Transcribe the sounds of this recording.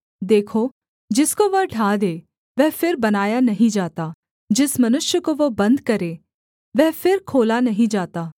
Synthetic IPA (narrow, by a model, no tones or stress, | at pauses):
d̪eːkʰo | d͡ʒɪskoʋɐʈʰaːd̪eː | ʋɛːpʰɪɾbɐnaːjanɐɦĩd͡ʒaːt̪a | d͡ʒɪsmɐnʊʃjəkoʋobɐ̃nd̪kɐɾeː | ʋɛːpʰɪɾkʰoːlanɐɦĩd͡ʒaːt̪aː